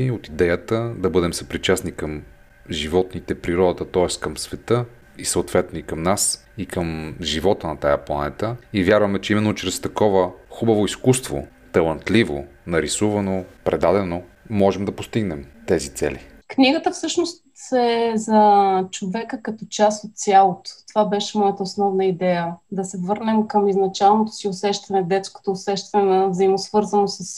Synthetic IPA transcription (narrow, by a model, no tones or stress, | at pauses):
iot̪id̪ɛjət̪əd̪ɐbɤd̪ɛmsɐpɾit͡ʃasnikəm | ʒivɔt̪nit̪ɛpɾiɾɔd̪ɐt̪ət̪ɔɛskəmsvɛt̪ɤ | isəʊt̪vɛt̪noikəmnas | ikəmʒivɔt̪ənɐt̪ajəplˠɐnɛt̪əivʲjaɾvɐmɛt͡ʃɛimɛnːot͡ʃɾɛst̪ɐkɔvəxubɐvoiskust̪vo̰ | t̪ɐlˠɐnt̪livonɐɾisuvɐnopɾɛd̪ad̪ɛno | mɔʒɛmd̪ɐpost̪iɡnɛmt̪ɛzit̪sɛ̰lḭ | knʲiɡət̪əfsɤʃnost̪ɛzɐt͡ʃovɛkəkɐt̪ɔt͡ʃast̪ot̪̚sʲjalˠot̪o̥t̪ovabɛʃɛmɔjət̪əosnɔvnəid̪ɛjəd̪ɐsɛvɤɾnɛmkəmiznɐt͡ʃalˠnot̪o̥siʊsɛʃt̪ɐnɛd̪ɛt̪sko̥t̪oːsɛʃt̪ɐnɛnɐvzɐimosvɤɾzənosɐs